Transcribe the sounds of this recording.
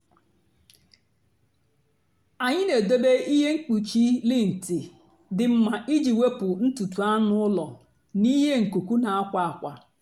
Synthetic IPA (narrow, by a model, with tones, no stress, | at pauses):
a˨ɲɪ˦ne˨do˦be˦i˦ɦe˦ŋ̩˦k͡pu˨t͡ʃi˦lɪ˦n̩˨ti˨ | dɪ˨m̩˨ma˨ʔi˦d͡ʒi˨we˦pʊ˨n̩˦tu˨tu˨a˦nʊ˦ʊ˦lɔ˨ | ni˦ɦe˦ŋ̩˨ku˨ku˦na˨a˦kʷa˨a˨kʷa˨